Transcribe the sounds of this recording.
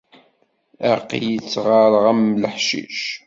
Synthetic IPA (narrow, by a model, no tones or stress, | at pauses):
æqjət͡sːʁaɾˤʁæmləħʃḭʃ